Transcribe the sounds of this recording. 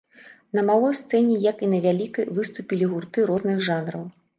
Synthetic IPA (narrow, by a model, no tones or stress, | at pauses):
nɐmalˠɔjst̪sɛnʲɛjɐkinɐvʲalʲikɐjvɨst̪upʲilʲiɣurt̪ɨɾɔznɨɣʐanɾɐw